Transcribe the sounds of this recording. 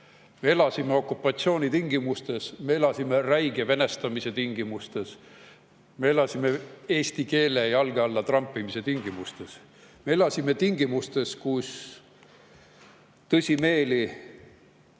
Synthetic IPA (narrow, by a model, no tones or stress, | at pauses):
me̞e̞lɑsimeo̞kːˑupːˑɑt̪sioːnit̪iŋɡimust̪e̞sme̞e̞lɑsime̞ræjɡ̥eve̞ne̞st̪ɑmise̞t̪iŋɡ̥imust̪e̞s | me̞e̞lɑsime̞e̞ːsʲt̪ike̞ːlejɑlɡ̥eɑlːɑt̪rɑmpːimise̞t̪iŋɡ̥imust̪es | me̞elɑsime̞t̪iŋɡimust̪e̞skus | t̪ɤsʲime̞ːli